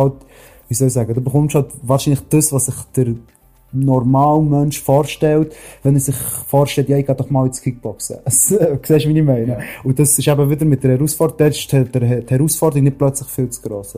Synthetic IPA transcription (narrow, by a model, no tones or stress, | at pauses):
ɑlt | viːsœlisɛːɡədoːbəχʊmtʃhɑltvɑːɾʃinlɪχd̥əsvɑːssɪχd̥əɾ | nɔɾmaːlmœnʃfɔːɾʃtɛltvɛnəsɪχfɔːɾʃtɛltjɑɪɡ̥ɑdɔχmɑːlɪt͡skʰik̚b̥ɔksə̰əsksɛːʃvinimɛɪnəʊdɑsɪʃæbəvɪdəɾmɪt̚d̥əɾhɛɾusfɔddɛtɪʃtʰɛdəɾthɛɾusfɔːrdəɾiknɪt̚plœt͡slɪχfɪlt͡sɡ̥ɾoːsə